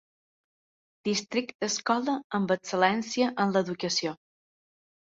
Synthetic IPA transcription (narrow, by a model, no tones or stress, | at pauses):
d̪̥ist̪ɾik̚t̪̚d̪əskɔləəmbəksəlɛnsiəʔənləðukəsio